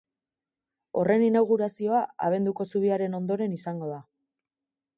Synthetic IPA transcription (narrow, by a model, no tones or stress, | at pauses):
o̞re̞ninawɣ̞uɾasio̞aa̰β̞e̞nd̪uko̞suβ̞iaɾe̞no̞nd̪o̞ɾe̞nisaŋɡo̞ða